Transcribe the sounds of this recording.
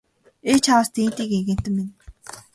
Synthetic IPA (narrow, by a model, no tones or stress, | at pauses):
et͡ɕʰawə̆st̪ʰiːn̥t̪iːkeɣɘ̆n̥t̪ɘ̆mːɪn